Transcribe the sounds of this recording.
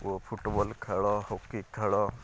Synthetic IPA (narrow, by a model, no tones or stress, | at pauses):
opʰuʈbɔlkʰaɭɔhokikʰːaɭɔ